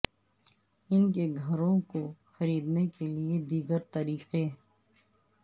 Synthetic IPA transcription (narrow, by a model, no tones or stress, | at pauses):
ɪnkeɡʱɐɾõkoxɐɾiːd̪nekelied̪iːɡəɾt̪ɐɾiːqeɦ